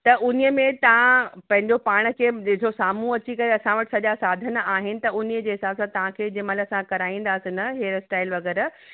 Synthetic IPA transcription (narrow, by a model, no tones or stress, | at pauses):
t̪ɐʔʊnijəmẽt̪ɐʋ̤ãpɐ̃ɦɪ̃ɲ̆d͡ʑopaːɽ̃ə̆kʰeːd͡ʑɪɦd͡ʑosaːm̤ũɐt͡ɕikɐɾeɐsãʋɐʈɪ̥̆sɐʄasaːd̪ʱənaːɦɪnɪ̆t̪ɐʊnijəd͡ʑeːɦɪsaːbsãt̪ɐʋ̤ãkʰeːd͡ʑɪməlɐsãkɐɾaːĩːnd̪aːsɪnɐɦeːɾsʈaːɪlʋɐɣɛːɾ